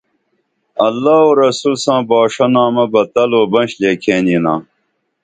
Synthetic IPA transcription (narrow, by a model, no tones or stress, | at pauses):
ɐlːaːoɾɐsulsãːbaːʂɐnãːmɐbɐt̪ɐloːbɐ̃nɕleːkʰeːninãː